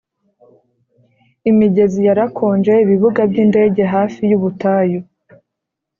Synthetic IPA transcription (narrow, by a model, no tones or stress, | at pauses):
imiɟe̞zijaɾakʰo̞ːnd͡ʒe̞iβiβuɡabɟinde̞ːɟe̞ɦaːfijuβutaːjo